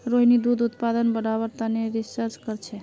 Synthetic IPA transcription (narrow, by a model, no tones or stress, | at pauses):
ɾoɦinid̪ud̪ut̪pad̪ənbəɽaβəɾt̪aneɾisəɾt͡ʃkəɾt͡ʃʰɛ